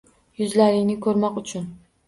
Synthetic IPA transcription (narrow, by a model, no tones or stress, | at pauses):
jʊzlaɾɪŋnɪkʰɵɾmɒqʊt͡ʃʰʊn